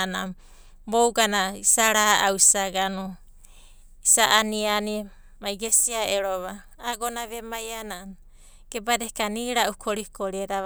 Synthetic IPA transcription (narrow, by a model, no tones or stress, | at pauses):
na | bowɡanaisaɾaʔawisaɡanu | isaʔaniani | majɡesiaeɾoβaː | ɡonaβemajanan | ɡ̥ebadekaniɾaʔukʰoɾikoɾeɾa